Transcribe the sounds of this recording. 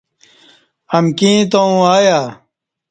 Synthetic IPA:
ɐmkĩːt̪oũaːjaː

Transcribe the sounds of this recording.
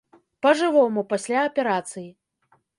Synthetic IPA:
pɐʐɨvɔmupasʲlʲaɐpʲɛɾat̪sɨji

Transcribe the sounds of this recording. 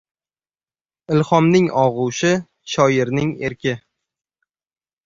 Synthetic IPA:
ɪlχɒmnɪŋɒʁʊwʃɪ | ʃɒjɪɾnɪŋeɾkʲʰɪ

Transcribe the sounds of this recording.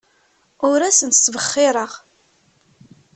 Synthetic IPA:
ʊɾæsənt̪svəχːɪɾˤəʁ

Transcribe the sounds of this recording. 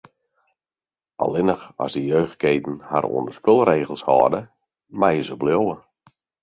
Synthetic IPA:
ʔɔ̰lˠɪnəxɔ̰sdijøːx̚keːtn̩ha̰ɾʔṵəndəspølˠreːɣəlˠshɔ̰ːrdə | majəzəbljowə

